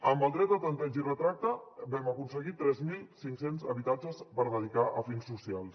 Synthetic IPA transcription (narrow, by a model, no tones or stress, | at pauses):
əmbəlˠd̪ɾɛt̪̚əp̪lənt̪ɛʒirət̪ɾak̚t̪əbɛməkunsəɣit̪ɾɛzmilˠsiŋksenzə̰βit̪ad͡ʒəspəɾðəðikaʔəfiŋsːusialˠs